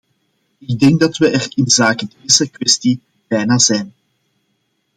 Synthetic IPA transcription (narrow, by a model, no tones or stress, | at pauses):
ɪɡ̚dɛŋɡ̚dɑtʋəʔɛrɪnzaːkədeːzəkʋɛsti | b̥ɛjnaːzɛjn